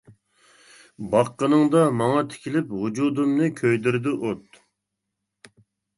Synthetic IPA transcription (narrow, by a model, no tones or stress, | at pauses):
bɑqːənɨŋd̪ɑmɑŋɑt̪ʰɪ̥kʲʰilɪphʊd͡ʒud̪umnɨkʲʰøjd̪yɾd̪ɪʔot̪